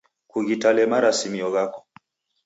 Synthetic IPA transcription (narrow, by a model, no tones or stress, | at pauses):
kuɣitalɛmaɾasimiɔɣakɔ̥